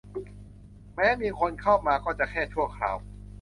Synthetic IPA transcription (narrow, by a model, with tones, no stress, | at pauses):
mɛː˦˥miː˧kʰo˧nkʰa˥˩wmaː˧kɔː˥˩t͡ɕa˨˩kʰɛː˥˩t͡ɕʰu˥˩əkʰɾa̰ː˧w